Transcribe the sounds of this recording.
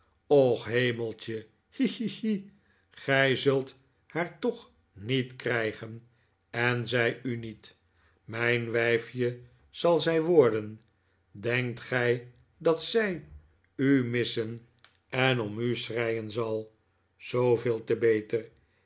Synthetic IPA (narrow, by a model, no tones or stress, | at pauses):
ɔχɦejməlˠt͡ʃə | hii | χɛjzɵlˠt | haɹtɔχ | nitkrɛjχən | ɛnzɛjynit | mɛjnʋɛjfjə | z̥ɑlˠzɛjʋɔɹdən | dɛŋk̚tχɛj | dɑtsɛj | ymɪsən | ɛnɔmysrɛjənzɑlˠ | z̥owveːlˠtəbejtəɹ